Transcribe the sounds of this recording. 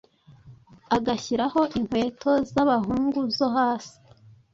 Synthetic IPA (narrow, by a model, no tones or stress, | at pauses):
aɡaçiɾaho̞ʔiŋ̥hwe̞ːtʰo̞zaβaɦuːŋɡuzoɦaːsi̥